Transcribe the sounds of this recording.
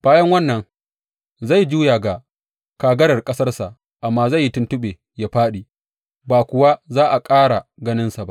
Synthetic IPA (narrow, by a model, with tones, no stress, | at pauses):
b̥aː˦jɐ˦ŋwɐ˦nːɐ˨ŋ | za˦˨jd͡ʒuː˦jaː˨ɡa˨ | kaː˨ɡɐ˦ɽɐ˨rkʼɐ˦sɐ˦rsa˨ʔ | ʔa˨mːaː˦za˦˨jːi˦tʊ˦ntʊ˦ɓeː˨ | ja˨ɸaː˦ɗiː˨ | baː˨kʷʊ˨wa˦zaː˦ʔa˨kʼaː˦ɽa˨ɡɐ˦nɪ˦nsa˨ba̰˦ʔ